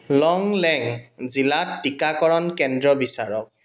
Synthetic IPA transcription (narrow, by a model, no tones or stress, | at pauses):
lɔŋlɛŋzilatːikakɔɹɔnkɛndɹɔbisaɹɔk̚